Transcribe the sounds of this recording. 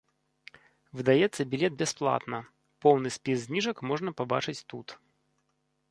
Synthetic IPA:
vɨd̪ɐjɛt̪sːəbʲɪlʲet̪̚bʲɪsplˠa̰t̪nə | polˠnɨjspʲizʲzʲnʲiʐəkmoʐnəpaba̰t͡ʂɨt͡sʲt̪ut̪

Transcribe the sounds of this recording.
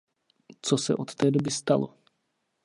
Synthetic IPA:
t͡sosɛ̰ʔot̪ːɛːdobɪst̪alo̰

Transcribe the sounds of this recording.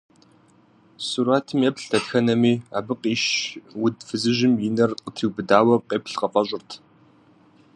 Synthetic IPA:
suɾaːtʰɨmjɛpɬtʰɐtxɐnɐmiːaːbɨqʼiːʃwʊdfɨzɨʑɪmjɪnɐrqʼətʰiwbɨdaːwɐqʼeːpʰɬqɐfʼɐɕʼɪrtʰ

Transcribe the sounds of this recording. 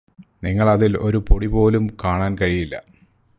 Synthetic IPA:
niŋːɐɭɐðilo̞ɾupoɽipo̞ːlumkaːɳaːnkɐɻijilːɐ̰

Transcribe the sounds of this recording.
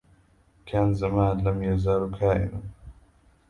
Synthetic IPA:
kʰanzɐmaːnlɐmjɐzaːɾukʰaːʔḭnu

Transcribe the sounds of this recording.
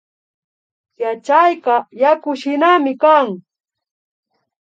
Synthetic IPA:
jat͡ʃajqɑjakʊʃɪnamɪkaŋ

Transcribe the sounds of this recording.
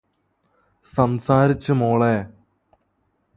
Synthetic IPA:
sɐmsaːɾit͡ɕːɨmoːɭe

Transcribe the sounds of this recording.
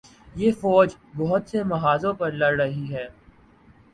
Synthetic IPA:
jeːfɔːd͡ʒbɔɦʊt̪semɐɦaːzõpɐɾlɐɽɾɐɦiɦɛː

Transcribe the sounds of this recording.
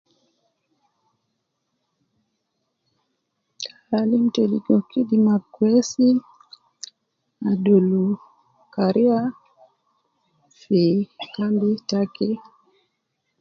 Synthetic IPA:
aɾalim̩tɛliɡɔkidimakwɛsi | adulu | kaɾiwa | fikambitakɛ

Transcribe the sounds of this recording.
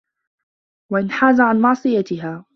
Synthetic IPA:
waʔɪnħaːzaʕanmɑʕsˤɨjat̪ɪɦaː

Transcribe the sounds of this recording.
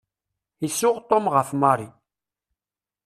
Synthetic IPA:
isʊʁt̪ˤːɔmʁəfmɑɾˤi

